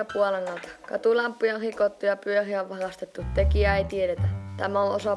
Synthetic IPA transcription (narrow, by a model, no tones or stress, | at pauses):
ɑpuɑlenːɑlt̪ɑ̥kɑ̰t̪ulɑmpːujɑrikot̪ːujɑpyøriæoʋʋɑrɑst̪et̪ːut̪ekiæeit̪ieɾet̪æt̪æmæõʔosɑ